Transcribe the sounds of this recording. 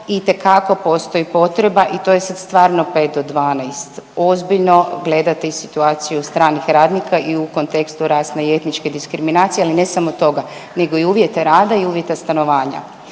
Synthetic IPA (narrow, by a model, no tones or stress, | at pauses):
it̪e̞kako̞po̞ːst̪o̞jipo̞t̪ɾe̞baʔit̪o̞jesad̪st̪ʋaːɾnopet̪̚d̪od̪ʋaːnajst̪o̞zbiʎno̞ɡle̞d̪at̪eisit̪uaːt̪sijust̪ɾaːnixɾaːd̪nikʰaʔiuko̞nt̪e̞kst̪uɾaːsneie̞t̪nit͡ʃke̞d̪iskɾiminaːt̪sijealinesamot̪o̞ɡane̞ɡo̞iuːʋjet̪aɾaːd̪aiuːʋje̞t̪ast̪ano̞ʋaːɲa̰